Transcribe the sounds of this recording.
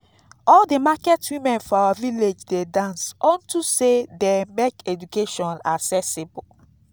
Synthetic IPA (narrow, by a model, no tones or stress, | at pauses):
ɔldemakɛtwĩmɛ̃nfɔawaviled͡ʒdedãnsɔ̃ntusedemekɛd͡ʒukeʃɔ̃nasɛsebu